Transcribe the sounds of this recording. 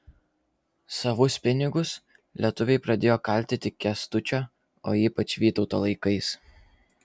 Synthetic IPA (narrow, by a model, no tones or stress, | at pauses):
sɐʋʊspʲɪnʲɪɡʊs | lʲiɛt̪ʊʋʲɛɪpɾɐd̪ʲeːjoːkɐlʲt̪ʲɪt̪ʲɪkʲɛst̪ʊt͡ʃʲoː | oːiːpɐt͡ʃʋʲiːt̪ɒʊt̪oːlˠɐɪkɐɪs